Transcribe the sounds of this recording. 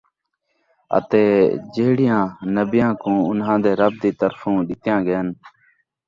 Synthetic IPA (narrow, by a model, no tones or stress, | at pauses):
ə̰t̪eːd͡ʒeːɽɪjãːnəbɪjãːkũːʊnɦãːd̪eːɾəb̚d̪iːt̪əɾfũːɗɪt̪ɪjãːɡəjən